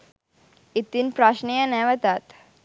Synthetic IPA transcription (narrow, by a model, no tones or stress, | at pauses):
it̪inpɾaʃnijɐnɛʋɐt̪aːt̪